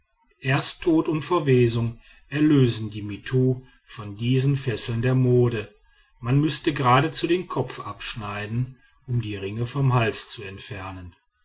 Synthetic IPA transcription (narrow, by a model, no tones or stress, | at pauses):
ʔeːɐsttʰːoːtʊntfɛɐveːzʊŋ | ʔɛɐløːzn̩diːmitʰuː | fɔndiːzn̩fɛsl̩ndeːɐmoːdə | manmʏstəɡəʁaːdət͡sudeːmkʰɔp͡fʔapʃnaɪdn̩ | ʔʊmdiːʁɪŋəfɔmhalt͡st͡suɛntfɛɐnən